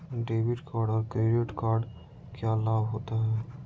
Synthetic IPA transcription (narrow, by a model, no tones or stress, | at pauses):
ɖeːbɪʈkaːɾɖɔːɾkɾeːɾeʈkaːɾɖ | kjalaːbɦoːt̪aɦɛː